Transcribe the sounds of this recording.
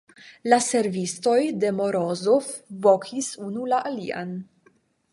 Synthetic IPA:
lase̞ɾvisto̞jde̞moɾozofvo̞kʰisunulaʔalia̰n

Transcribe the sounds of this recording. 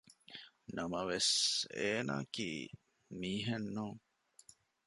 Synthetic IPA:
nɐmɐʋeseːna̰ːkḭ | miːɦenːõː

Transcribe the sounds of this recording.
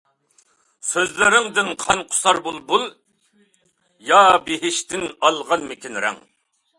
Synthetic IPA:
søzlɪɾɪŋd̪ɪnqʰɑnqʰʊ̥sɑɾbulˠbulˠ | jɑbeɦɪʃt̪ɪnɑlˠʁɑnmɪkʲʰinɾɛ̰ŋ

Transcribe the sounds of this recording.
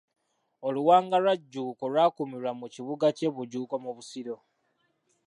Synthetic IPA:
oluwaːŋɡalwaɟːuːkolwaːkumiɾamuciβuɡace̞βuɟuːko̞muβusiɾo̞

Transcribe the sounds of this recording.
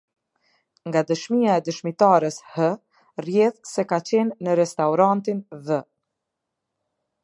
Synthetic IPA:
ŋɡad̪əʃmijaɛd̪əʃmit̪aɾəshə | rjɛθsɛkat͡ɕɛnːəɾɛst̪awɾant̪invə

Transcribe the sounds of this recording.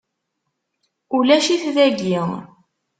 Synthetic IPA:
ulæʃiθðæɡiʁ

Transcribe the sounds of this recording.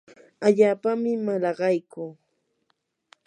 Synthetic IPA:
aʎaːpamɪmalɑɢɑjkʊ

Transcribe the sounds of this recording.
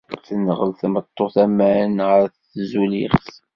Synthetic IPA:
θənːəʁəlθmət̪ˤːoθæmæənʁəɾθ | zulḭχθ

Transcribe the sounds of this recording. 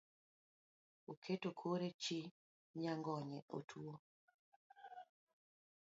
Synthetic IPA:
okʰetokʰoɾet͡ʃi | ɲaŋɡɔɲɛʔo̰tʰuo

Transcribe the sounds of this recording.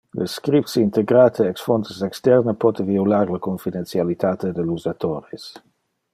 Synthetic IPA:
lʔə̰skɾipsəint̪eɡɾat̪ʰəɛksfɔnt̪əsɛkst̪ɛrnəpɔt̪eviulaɾlakoɱfid̪ensjalit̪at̪ed̪eluzat̪oɾes

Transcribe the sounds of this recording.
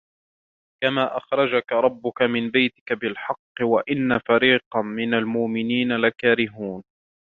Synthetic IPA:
kamaːʔaxɾˤɑd͡ʒakaɾˤɑbːʊkamɪnbajt̪ɪ̥kabɪlħɑqːɨwaʔɪnːafaɾiːqɑmɪnalmʊʔmɪniːnalakaːɾɪɦuːn

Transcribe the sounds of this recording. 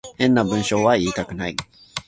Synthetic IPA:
ẽnːabɯ̃nɕoːwaiːt̪akɯ̟nai

